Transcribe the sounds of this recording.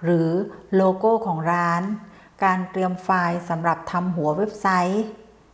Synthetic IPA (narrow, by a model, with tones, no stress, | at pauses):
ɾɯː˩˦loː˧koː˥˩kʰɔː˩˦ŋɾaː˦˥n | kaː˧nt̪ɾi˧əmfaː˧jsa˩˦mɾa˨˩p̚t̪ʰa˧mɦu˩˦ɐwe˦˥p̚sa˦˥j